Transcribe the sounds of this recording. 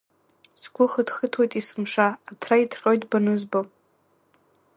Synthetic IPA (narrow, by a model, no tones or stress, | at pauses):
sɡʷʊχədχətʰwojtʼisɨmʂaːtʰraitʰrʼojtʼbanɨzbo